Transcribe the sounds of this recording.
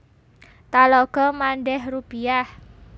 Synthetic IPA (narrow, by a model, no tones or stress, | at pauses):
t̪alɔɡ̥ɔmanɖɛɦrupiah